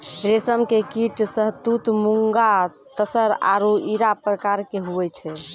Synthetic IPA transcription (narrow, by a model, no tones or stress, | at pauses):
ɾesəmkekiʈsəɦt̪ut̪muŋɡa | t̪əsəɾa̰ɾoiɾapɾəkaɾkeɦuɛt͡ʃʰɛ